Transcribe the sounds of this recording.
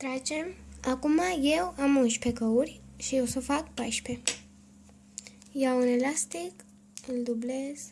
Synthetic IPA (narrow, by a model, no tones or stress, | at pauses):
t̪ɾat͡ʃemakumajewamunɕpʰekəwuɾʲʃijewsofakpajɕpʰe | jawənelast̪ik | əld̪ubles